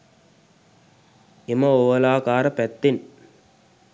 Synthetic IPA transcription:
ɪmɐoːʋɐlaːkaːɾɐpɛt̪ːɪn

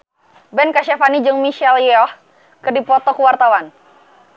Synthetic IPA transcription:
bɛnkaʃafanid͡ʒəŋmiʃɛljɔh | kɨrdipɔt̪ɔkəwart̪awan

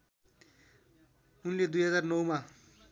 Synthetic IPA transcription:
unled̪ujɦʌd͡zarnʌwma

